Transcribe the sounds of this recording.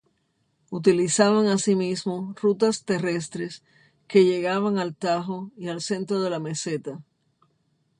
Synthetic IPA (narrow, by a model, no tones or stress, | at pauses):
ut̪ilisaβaŋasimismorut̪ast̪e̞re̞s̬t̪ɾe̞s | ke̞ʝe̞ɣaβaŋalt̪aɦoialse̞nt̪ɾo̞ðe̞lame̞se̞t̪a